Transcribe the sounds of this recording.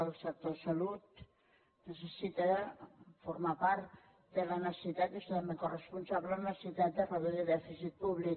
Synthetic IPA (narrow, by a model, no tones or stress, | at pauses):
əlˠsək̚t̪osɐlut̪ | nəsəsit̪ə | fuɾmapaɾt̪ | d̪ələnəsə̥sit̪at̪est̪amekorəspunsaβlənəssit̪at̪əfaβeðəðɛfisit̪̚puβlik